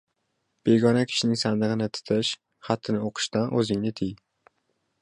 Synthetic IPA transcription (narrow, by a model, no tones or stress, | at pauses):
b̥eɡɒnakʲʰɪ̥ʃɪnɪŋsand̪ɨʁɨnɪt̪ʰʊ̥t̪ʰɪʃ | χat̪ʰːɪnɪoqʰɨ̥ʃt̪anʔɵzɪŋnɪt̪ʰɪj